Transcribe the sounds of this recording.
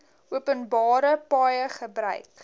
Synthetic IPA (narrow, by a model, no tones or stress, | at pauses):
uəpənbɑːɾəpɑːjəχəbrœ̰ɥk